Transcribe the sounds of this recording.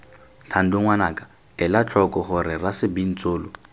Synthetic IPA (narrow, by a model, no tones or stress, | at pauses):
tʰan̩dʊŋwanaːkʼḁ | ɪlat͡ɬʰɔkʼɔχʊɾɪrasɪbin̩t͡sʼoːlʊ